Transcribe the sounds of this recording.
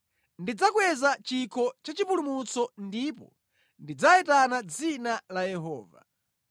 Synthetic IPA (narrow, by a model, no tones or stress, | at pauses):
ndid͡zakwɛzat͡ʃikʰɔt͡ʃat͡ʃipulumut͡sɔndipɔ̰ | ndid͡zaɛtanad͡zinalajɛɦɔ̰ːva̰